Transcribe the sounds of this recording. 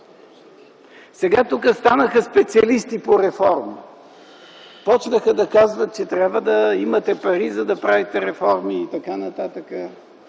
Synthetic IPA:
sɛɡat̪ukəst̪anəxəspɛt̪siɐlist̪ipoɾɛfɔɾmi | pɔt͡ʃnəxəd̪ɐkazvət̪̚t͡ʃɛt̪ɾʲabvəd̪ɐimət̪ɛpɐɾizɐd̪ɐpɾavit̪ɛɾɛfɔɾmiːt̪ɐkanɐt̪at̪əkə

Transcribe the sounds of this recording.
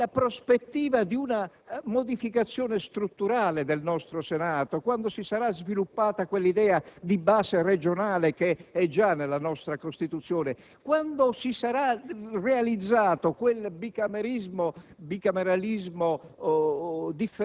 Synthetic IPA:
apɾospet̪ːiːvad̪iuna | mod̪ifikat̪sːjɔːnest̪ɾut̪ːuɾaːled̪elnɔst̪ɾosenaːt̪okwand̪osisaɾazvilupːaːt̪akwelːid̪ɛːad̪ibaːsered͡ʒonaːlekeɛd͡ʒanːelːanɔst̪ɾakost̪it̪ut̪sːjɔːne | kwand̪osisaɾarealid̪zːaːt̪okwelbikameɾizmobikameɾalizmo | d̪ifː

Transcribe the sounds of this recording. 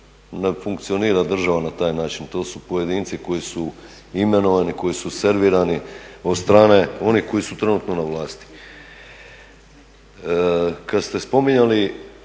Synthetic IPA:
nefuŋkt̪sio̞niːɾad̪r̩ʒaʋanat̪aːjnaːt͡ʃint̪oːsupo̞je̞d̪iːnt̪siko̞jisu | ime̞no̞ʋaniko̞jisuse̞ɾʋiɾanio̞d̪st̪ɾaːne̞o̞nihko̞jisut̪ɾe̞nuːt̪no̞naʋlˠaːst̪i̥ | kad̪st̪e̞spo̞miɲali

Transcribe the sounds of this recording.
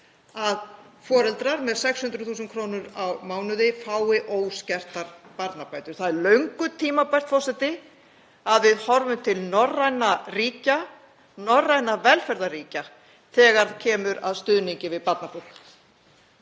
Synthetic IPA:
að | fɔːɾɛlt̪ɾaɾmɛðsɛkshʏnɾʏɾθuːsʏnkʰɾownʏɾawmaːwnʏðɪfaːwɪʔoːwscɛr̥t̪aɾpaɾt̪napaːjt̪ʏɾ̥θaðɛɾlœɥŋkʏt̪ʰiːmapḁt̪fɔ̥sɛt̪ɪ | aðvɪðhɔɾvʏmt̪ʰɪlnɔrːajnariːca | nɔrːajnavɛlfɛɾðaɾiːca | θɛːɣaɾðcʰɛːmʏɾaðst̪ʏðniɲcɪvɪðpaɾt̪napul

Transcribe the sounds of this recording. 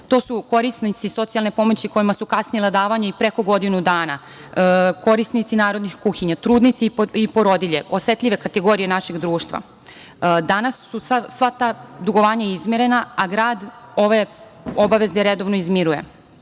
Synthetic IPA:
t̪o̞ːsuko̞ɾisnit̪siso̞t̪sialˠne̞po̞mo̞t͡ɕiko̞jimasukasnijelˠad̪aːʋaɲaipɾe̞ko̞ɡo̞d̪inud̪aːna | ko̞ɾisnit̪sinaːɾod̪nixkuxiɲat̪ɾuːd̪nit̪siipo̞ɾo̞d̪iʎe̞ʔosʋe̞t̪ʎʲiʋe̞kat̪eɡo̞ːɾije̞naʃeɡd̪ɾuːʃt̪ʋa̰ | d̪anasːusasʋat̪ad̪uɡo̞ʋaːɲaizmʲjeɾe̞naaɡɾaːd̪o̞ʋe̞ | obaʋe̞zeɾed̪o̞ʋnoizmiɾuje̞̰

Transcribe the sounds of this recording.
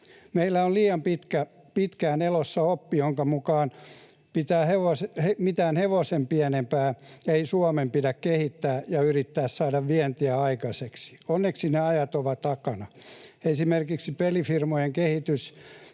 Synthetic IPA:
meilːæolliːɑmpit̪kæ | pit̪kæːnelosːɑopːijoŋkɑmukɑːn | pit̪æːheʋosehemit̪æːnheʋosempiænempæːeisuɑmempidækkehit̪ːæːjɑyrit̪ːæːssɑːdɑʋʋiɛnt̪iæɑikɑseksi̥onːeksineɑjɑt̪oʋɑt̪ɑkɑnɑ | esimerkiksipelifirmojeŋkehit̪ys

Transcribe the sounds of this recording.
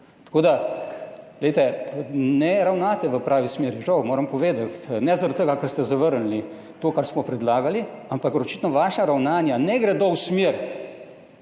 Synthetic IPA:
t̪ḁkoːd̪a | ɡlɛjt̪ɛnɛɾawnaːt̪ɛʋəpɾaːʋismeɾʒɐwmoːɾɐmpɔʋeːd̪at̪nɛzaɾt̪əɡakəɾst̪ɛzaʋəɾnli | t̪oːkaɾsmɔpɾɛd̪laːɡaliampakɾɔt͡ʃit̪nɔʋaːʃaɾawnaːnjanɛɡɾɛd̪owsmeɾ

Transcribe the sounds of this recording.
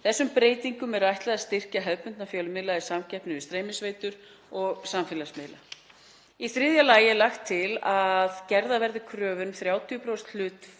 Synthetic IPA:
θɛsːʏmpɾeːjt̪iŋkʏmɛɾajht̪lɛðast̪ɪr̥caɦɛðpʏnt̪nafjœːlʏmɪðlaisamcɛhpnɪɪst̪ɾeːjmɪsveːjt̪ʏɾ | ɔɣsamfɪlasmɪðla̰ | iθɾɪðjalaːjɪɛlaxt̪ʰːɪlaðcɛɾðavɛɾðɪkʰɾœːvʏɾmθɾjaːwt̪ʰijʏpɾawst̪l̥ʏːt̪

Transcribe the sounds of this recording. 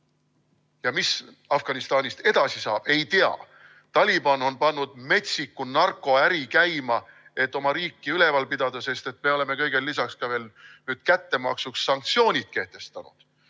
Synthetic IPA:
jɑmis | ɑfɡ̥ɑnist̪ɑːnʲist̪e̞d̪̥ɑsisɑːb̥e̞jt̪eɑ̰ | t̪ɑlʲibɑno̞npɑnːud̪̥me̞t̪sikːˑunɑrkːˑo̞æɾikæjmɑ | e̞t̪ːˑo̞mɑɾiːkːiyle̞vɑlpid̪̥ɑd̪̥ɑse̞st̪e̞t̪me̞o̞le̞me̞kɤjɡ̥e̞lːisɑkskɑve̞ːlnyːd̪̥kæt̪ːe̞mɑ̰ksuksːɑŋk̚t̪sio̞ːnʲit̪̚ke̞ht̪e̞st̪ɑnṵd̪̥

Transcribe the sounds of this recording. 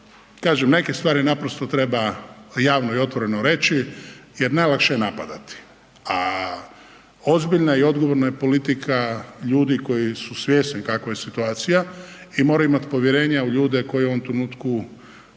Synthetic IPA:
kaːʒemne̞kest̪ʋaːɾinapɾo̞st̪ot̪ɾe̞bajaːʋnoio̞t̪ʋo̞ɾe̞noɾe̞t͡ʃije̞ɾnajlˠakʃejenapad̪at̪i̥ | a | o̞zbiʎnaio̞d̪ɡoʋo̞ɾnajepo̞lit̪ikʰaʎuːd̪iko̞jisusʋje̞ːsnikakʋajesit̪uaːt̪sijaimoɾauimat̪i̥po̞ʋjeɾe̞ːɲauʎuːd̪eko̞jo̞ʋomt̪ɾenuːt̪ku

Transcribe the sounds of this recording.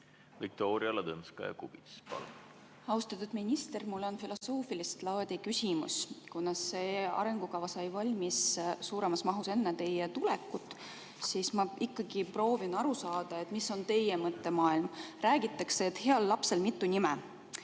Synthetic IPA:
vik̚t̪o̞ːɾiɑlɑd̪ɤnskɑ̰jɑ̰kub̥it̪spɑ̰l | ɑust̪ɑt̪ːud̪minʲist̪e̞rmulːo̞nfilo̞so̞ːfilist̪lɑːd̪̥ʲikysʲimṵskunːɑsːe̞ːɑ̰ɾe̞ŋɡ̥ukɑvɑsɑjvɑlʲmissuːɾe̞mɑsmɑɦuse̞nːet̪e̞jet̪ulekːˑut̪ːˑ | siːsmɑikːɑɡ̥ipro̞ːvinɑɾusɑːd̪̥ɑe̞t̪miso̞nt̪e̞jemɤt̪ːe̞mɑːilmræːɡ̥it̪ˑːɑkseːt̪he̞ɑlːɑpse̞lmit̪ːˑunimɛ

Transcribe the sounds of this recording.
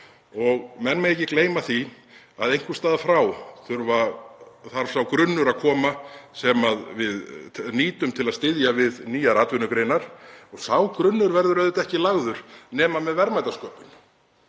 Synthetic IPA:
ɔɣmɛnmɛɣejcːɪkleːjmaθi | aðejŋ̥kvʏst̪aːðafɾawθʏɾvaθaɾ̥sawkɾʏnːʏɾakʰɔːmasɛmaðvɪðniːt̪ʏmt̪ʰɪlaðst̪ɪðjavɪðniːjaɾaːt̪vʏnʏkɾeːjnaɾ̥ɔɣsawkɾʏnːʏɾvɛɾðʏɾœːðɪt̪ɛhcɪlaɣðʏɾ̥nɛːmamɛðvɛɾmajt̪askɔːpʏn

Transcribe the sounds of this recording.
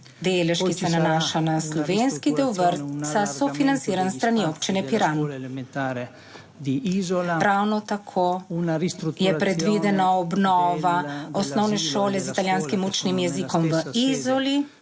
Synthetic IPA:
d̪eːlɛʃkisɛnanaːʃanaslɔʋenskid̪ɛwʋəɾsasɔfinant̪siːɾanst̪ɾaniopt͡ʃinɛpiɾant̪ | d̪ | ɾawnɔt̪akʰonsjɛpɾɛd̪ʋid̪ɛnaɔbnɔːʋaɔsnɔwnɛʃoːlɛzit̪aljaːnskimut͡ʃnimjɛzikɔmʋəizɔli

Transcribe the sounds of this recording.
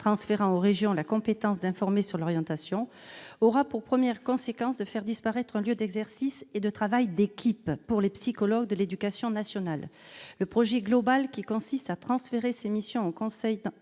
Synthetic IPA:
t̪χɑ̃sfeʁɑ̃oʁeʒjɔ̃lakɔ̃pet̪ɑ̃s̬d̪ɛ̃fɔʁmesyʁlɔʁjɑ̃t̪asjɔ̃ | ɔʁapuʁpχəmjɛʁkɔ̃sekɑ̃sd̪əfɛʁd̪ispaʁɛt̪χɛ̃ljød̪ɛɡzɛʁsised̪ət̪χavajd̪ekʲʰipːuʁlepsikɔlɔɡ̚d̪əled̪ykasjɔ̃nasjɔnalː | əpχɔʒɛɡlɔbalkʲikɔ̃sist̪at̪χɑ̃sfeʁesemisjɔ̃okɔ̃sɛjd̪

